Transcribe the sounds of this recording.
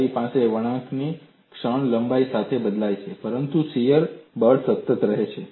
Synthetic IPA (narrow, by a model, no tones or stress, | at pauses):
ipãseʋəɽ̃ãkʰni | kʂəɳləmbaisat̪ʰebəd̪lajt͡ʃʰepəɾənt̪usijəɾbəɖsət̪ːət̪ɾəɦet͡ʃʰe